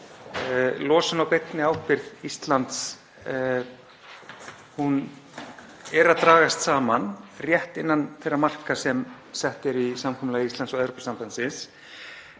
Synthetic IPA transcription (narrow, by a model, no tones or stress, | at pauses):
lɔːsʏnawpejt̪nɪawhpɪɾðist̪lant̪s | hun | ɛɾaðt̪ɾaːɣast̪saːmanrjɛht̪ɪnːanθejrːamar̥kasɛm | sɛht̪ɪɾisamkʰɔmlaːjist̪ansɔɛðɾopɛ̥sampansɪns